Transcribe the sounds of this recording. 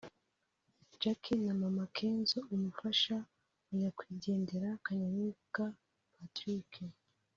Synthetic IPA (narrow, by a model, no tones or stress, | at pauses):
d͡ʒakʰinamamakʰe̞ːnzoʔumufaʃa | uɲakwiːɟe̞ːnde̞ɾakaɲaɲuka | patɾikʰe